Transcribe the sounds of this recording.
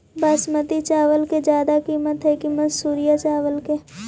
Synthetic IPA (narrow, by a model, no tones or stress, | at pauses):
bəsmət̪it͡ʃaːʋəlked͡ʒjaːd̪akiːmət̪ɦɛkimɐnsuːɾijat͡ʃaːʋəlke